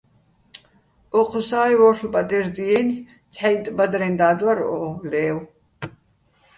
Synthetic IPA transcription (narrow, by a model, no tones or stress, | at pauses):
ʔɔqʰɔsaːjwɔɾχlbʼad̪ɛɾd̪iɛn | t͡sʰħajt̪ʼbad̪ɾɛnd̪aːd̪waɾɔlɛːw